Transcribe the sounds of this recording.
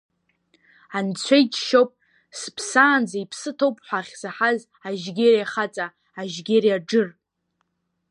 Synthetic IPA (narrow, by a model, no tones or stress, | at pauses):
ant͡sʷʰejt͡ʃʃowpʼ | spʰsaːnd͡zaipʰsɨtʰowpʼħʷaχʲzaħaz | aʒɡʲeɾjaχat͡sʼaː | ʒɡʲerjaɖ͡ʐɨr